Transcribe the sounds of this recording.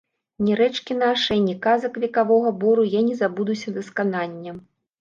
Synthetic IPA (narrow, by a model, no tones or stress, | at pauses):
nʲiɾɛt͡ʂkʲin̪aʂɐjnʲikazɐkvʲɛkavɔɣɐbɔɾujanʲɛzabud̪usʲɐd̪ɐskananʲːɐ